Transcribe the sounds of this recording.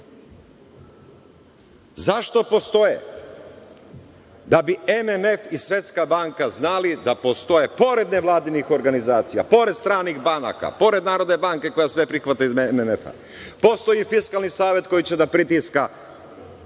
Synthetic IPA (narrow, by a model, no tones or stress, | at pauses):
zaʃt̪o̞po̞st̪o̞jḛ | d̪abiememe̞fisʋje̞t̪skabaŋkaznalid̪apo̞st̪o̞je̞po̞ɾe̞d̪neʋlˠaːd̪inixo̞ɾɡanizaːt̪sija̰po̞ɾed̪st̪ɾaːniɣbana̰ka̰po̞ɾe̞d̪naːɾo̞d̪ne̞baŋke̞ko̞jasʋe̞pɾixʋat̪aizmememefa̰ | po̞st̪o̞jifiskalˠnisaːʋje̞t̪ko̞jit͡ɕe̞d̪apɾit̪iska